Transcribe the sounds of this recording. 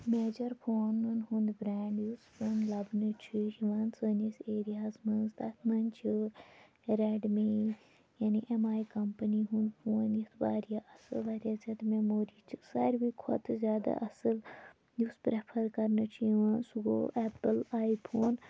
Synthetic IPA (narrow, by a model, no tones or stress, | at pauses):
meːd͡ʒɐɾpʰoːnɨnɦũnd̪bɾɛːɳɖjusfoːnlɐbnɨt͡ʃʰiiʋɐnsəːniseːɾijaːzmɐnzd̪ɐt̪ʰmɐnt͡ʃʰi | ɾeɖme | jaːniʔemaːikɐmpəniɦũnd̪pʰoːnjit̪ʰba̰ːɾijaʔɐsɨ̰lbaːɾjaːt͡ʃʰɐt̪memoːɾiːt͡ʃʰisɐɾbikʰo̰t̪ʰɨzʲjaːd̪a̰ʔɐsɨl | juspɾepʰɐɾkɐɾnɨt͡ʃʰiʋɐnsuɡo̰ʔɛpɨlaːjipʰoːn